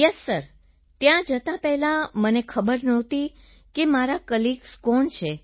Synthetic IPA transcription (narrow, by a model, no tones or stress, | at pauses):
jəsːəɾ | t̪jãd͡ʒət̪apɛɦlamənekʰəbəɾnət̪i | kemaɾakəlikskɔnt͡ʃʰe